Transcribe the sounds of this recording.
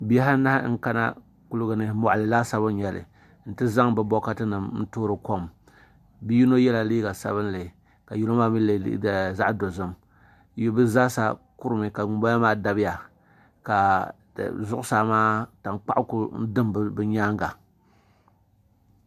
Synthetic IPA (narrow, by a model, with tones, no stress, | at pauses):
bi˦ɛ˦ɦa˦na˦hŋ̩˦ka˦na̰˦ | ku˦lʊ˦ɡɨ˨nɨ˦mɔ˨ʔa˨lɨ˨laː˦sa˦βɨ˦n˦ɲɛ˨lɨ̰˨ | n̩˨tɨ˦za˦ŋbɨ˦bɔ˦ka˦tɨ˦nɨ˨m˦n̩˦toː˦ɾɨ˨ko˦m | bi˦ji˦no˦jɛ˦la˨liː˦ɡa˨sa̰˦βɨ˦n˦lɨ˨ | ka˨ju˨lo˦maː˦mi˦lḛ˨˦˨za˦ʔdo˨zɨ˦m | jo˦bɨ˦zaː˦sa˦ | ku˦ɾɨ˨mɨ˨ka˨ŋu˨ba˦a˦maː˦da˨˦bɪ˦ja˨ | ka̰˨ | zʊ˦ʔʊ˦saː˨˦maː˦ta˨ŋk͡pa˦ʔku˦n̩˦dɨ˦mbbɨ˨˦ɲaː˦ŋɡa˨